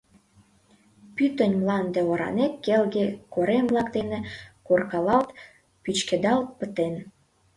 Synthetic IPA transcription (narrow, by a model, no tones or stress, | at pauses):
pyt̪ənʲmlɑnd̪ĕoɾɑ̰nekkːelɣekoɾemblɑkd̪enekorkɑlɑlt̪ | pyt͡ɕked̪ɑlt̪̚pət̪en